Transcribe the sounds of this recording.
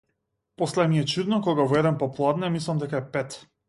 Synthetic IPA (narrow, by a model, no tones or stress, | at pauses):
pɔslɛmiɛt͡ʃud̪nɔkɔɡavɔɛd̪ɛnpɔplˠad̪nɛmislˠamd̪ɛkaɛpɛt̪